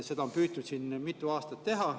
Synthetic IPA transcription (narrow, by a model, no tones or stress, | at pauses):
se̞d̪̥ɑo̞mpyːt̪ːud̪siːnmit̪ːˑuɑːst̪ɑt̪ːe̞ɦɑ